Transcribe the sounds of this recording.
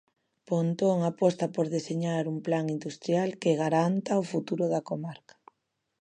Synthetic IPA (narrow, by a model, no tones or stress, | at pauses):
pont̪oŋapɔst̪apoɾðeseɲaɾumplaŋind̪ust̪ɾjalkeɣaɾant̪aofut̪uɾʊðakomaɾkḁ